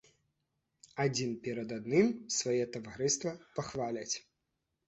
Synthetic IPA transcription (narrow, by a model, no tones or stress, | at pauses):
ad͡zʲinpʲɛɾɐd̪ad̪nɨmsvajɛt̪ɐvaɾɨst̪vɐpaxvalʲɐt͡sʲ